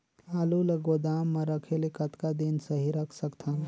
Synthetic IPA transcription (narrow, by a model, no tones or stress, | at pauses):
laːluləɡod̪aːmːɐɾəkʰelekɐt̪kad̪insəɦiɾəkʰsəkt̪ʰã